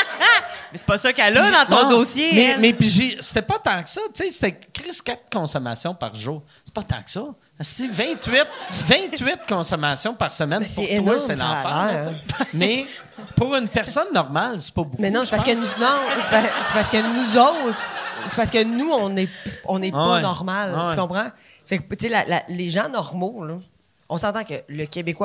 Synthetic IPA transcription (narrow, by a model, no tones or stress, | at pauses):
mɛse̥pʌsʌkalɔd̪ɑ̃t̪ɔ̃d̪oːsjemɛmɛpiʒise̥t̪ɛpɔt̪ɑ̃ksʌt͡sese̥t̪ɛkʲʁɪz̥kʲat̪̚kɔ̃sɔma̰ːsjɔ̃pa̰ʁʒuːʁ | se̥pɔt̪ɑ̰̃ksɔ | asd͡zivɛ̃t̪ɥɪt̪̚vɛ̃t̪ɥɪt̪̚kɔ̃sɔmasjɔ̃paʁsəmɛ̃npsʊɛewnw̪aɔɛlã̰ːfaɔ̃t͡semɛ | puʁʏnpɛʁsɔnːɔʁmalsɛ̥pɔbumɛnɔ̃se̥pasəkənunɔ̃ase̥paʁsəkənuzɔʊt̪χse̥paʁsə̥kənuɔ̃nɛse̥ɔ̃nɛpɔɛnɔʁmalwkɔ̃pχã | fɛkt̪selalaleʒãnɔʁmolo | ɔ̃sɑ̃t̪ɑ̃kʲələkʲebekwa